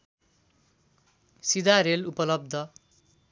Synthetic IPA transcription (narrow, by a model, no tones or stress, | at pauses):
sid̪aɾelupʌlʌb̚d̪ʱʌ